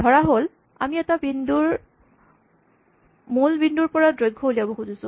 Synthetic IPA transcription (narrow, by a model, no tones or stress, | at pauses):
dʱɔɹaɦol | a̰miɛtabinduɹ | mulbinduɹpɔɹadɹojɡʱːɔɦoliabɔxuzusʊ̃